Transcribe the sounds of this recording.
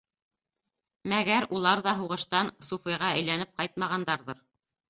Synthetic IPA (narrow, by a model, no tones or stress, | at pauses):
mæɡæɾulˠɑɾðɑɦuʁɤ̆ʃt̪ɑnsufijʁɑæjlænɘp̚qɑjt̪̚mɑʁɑnd̪ɑɾðɤɾ